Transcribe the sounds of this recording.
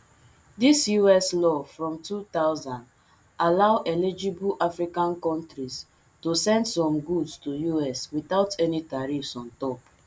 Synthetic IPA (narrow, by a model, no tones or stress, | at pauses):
disjuɛslɔfɹɔ̃mtut̪aʊzãnd | alaʊʔɛlid͡ʒibuʔafɾikãnkɔ̃ntɾis | tosɛ̃ndsɔ̃mɡudstujuɛswiθaʊtʰɛnitaɾifsɔ̃ntɔp